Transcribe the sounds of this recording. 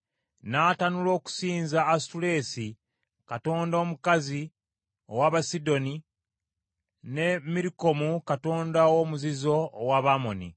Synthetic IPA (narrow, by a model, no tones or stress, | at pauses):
natanulo̞ːku̥siːnzaːstule̞si | kato̞ːndo̞ːmukazi | owaβasido̞ni | ne̞miɾiko̞mukato̞ːndawomuzizo̞ːwaβamonḭ